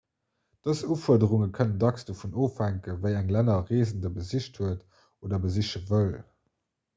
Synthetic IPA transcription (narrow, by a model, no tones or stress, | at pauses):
d̥əsuːfuɐdəʁuŋəkʰənəndɑksd̥oːfunoːfhæŋkəvəɪæŋlænɐʁeːzəndəbəziʃthuət | oːdɐbəziʃəvəl